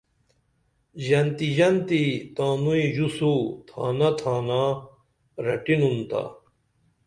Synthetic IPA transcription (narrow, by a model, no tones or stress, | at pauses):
ʑɐnt̪iʑɐnt̪it̪aːnuiʑusut̪ʰa̰ːnɐt̪ʰaːna | ɾɐʈinunt̪a̰